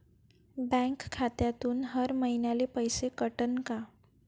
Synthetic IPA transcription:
bɛ̃ŋkkʰːat̪jat̪uːnɦəɾməɦinjalepəjsekəʈənka

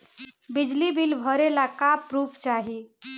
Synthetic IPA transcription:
bid͡ʒlibʱilbʱəɾelakapɾupʰt͡ʃaɦi

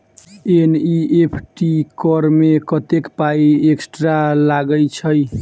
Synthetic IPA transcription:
eniepʰʈikɔɾmekʌt̪ekpaieksʈɾalaɡəjt͡ʃʰʌj

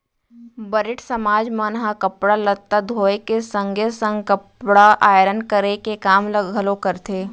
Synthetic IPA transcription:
bəɾɪʈsəmaːd͡ʒmɐnɦakəpɽalɐt̪ːad̪ʱoːekesə̃ŋɡʱesə̃ŋɡkəpɽaʔaːjɾənkəɾekekaːmləɡɦəlokəɾt̪ʰeː

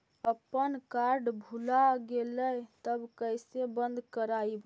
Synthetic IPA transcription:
əpːənkaɾɖbʱulaɡeləjt̪əbkəjsebənd̪ʱkəɾaib

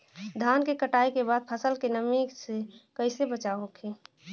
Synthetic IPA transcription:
d̪ʱaːnkekəʈaːikebaːd̪̚pʰəsəlkenəmiksekəɪsebət͡ʃaɦokʰeː

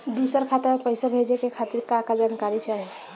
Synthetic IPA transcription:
d̪isəɾkʰat̪eɾmepəɪsabʱed͡ʒekekʰat̪iɾkakad͡ʒankaɾit͡ʃaɦi

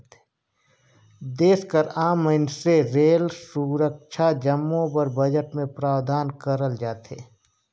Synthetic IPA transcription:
d̪eːskəɾaːməɪnseɾeːlsuɾəkʃʰad͡ʒəmːõbəɾbəd͡ʒəʈmẽpɾaːwd̪aːnkəɾəld͡ʒaːt̪eː

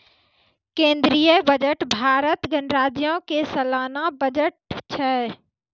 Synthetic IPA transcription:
kẽːnd̪ɾijəbəd͡ʒəʈbʱaːɾət̪ɡənɾaːd͡ʒjõkesəlaːnabəd͡ʒəʈ̚t͡ʃʰɛ

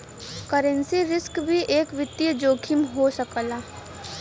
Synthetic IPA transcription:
kəɾə̃nsiɾɪskbʱiʔeːkʋɪt̪ːiəd͡ʒoːkʰɪmɦosəkəlaː

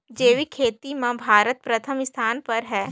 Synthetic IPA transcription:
d͡ʒeːʋikʰeːt̪imãbʱaːɾət̪̚pɾɐt̪ʰəmɪst̪ʰaːnpɐɾɦɛː

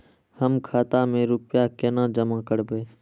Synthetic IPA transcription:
həmkʰaːt̪ãːmẽːɾʊpɪjaːkeːnãːd͡ʒəmãːkəɽbeː

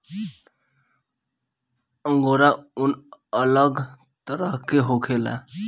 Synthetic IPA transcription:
əŋɡoɾaunələɡ | t̪ʌɾʌɦkeɦokʰela̰

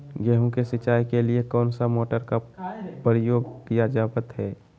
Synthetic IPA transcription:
ɡɛɦũkesɪt͡ʃaːikeliekɔːnsamoːʈəɾkapəɾɪjoːɡk̪ijad͡ʒaːbət̪ɦɛː

